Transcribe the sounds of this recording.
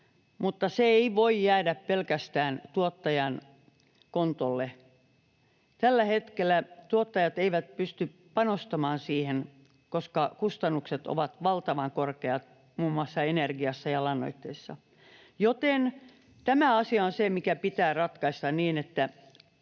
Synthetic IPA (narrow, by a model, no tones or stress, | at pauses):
mut̪ːɑseeiʋoijjæːdæppelkæst̪æːnt̪uot̪ːɑjɑn | kont̪olːe | t̪ælːæhet̪kelːˑæt̪uot̪ːɑjɑt̪eiʋæt̪̚pyst̪y | pɑnost̪ɑmɑːnsiːhen | koskɑkust̪ɑnːukset̪o̰ʋɑt̪ʋɑlt̪ɑʋɑŋkorkeɑt̪ | muːmːuɑsːɑenerɡiɑsːɑjɑlɑnːo̰it̪ːeisːɑ̰ | jot̪en | t̪æmæɑsiɑonsemikæpit̪æːrɑt̪kɑist̪ɑnniːnet̪ːæ